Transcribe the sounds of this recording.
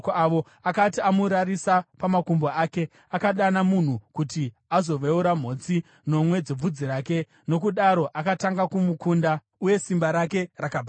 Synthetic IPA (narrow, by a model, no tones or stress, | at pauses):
kaʋo̞ | akatiamuɾarisapamakumboaːke̞ | akaɗanamun̤ukuti | azo̞ʋeuɾam̤o̞ːt͡si | no̞mwe̞d͡zeb͡vud͡ziɾaːke̞ | no̞kuɗaɾo̞ʔakataŋɡakumukuːnda | uje̞simbaɾake̞rakaba